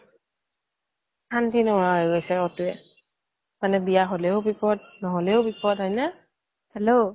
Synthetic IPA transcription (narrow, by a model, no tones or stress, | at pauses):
tʰantʰinɔɹaɦɔjɡojsɛɔtʊɛ | manɛbijaɦolɛʊbipɔd̚nɔɦolɛʊbipɔtɦɔjnɛ | hɛlo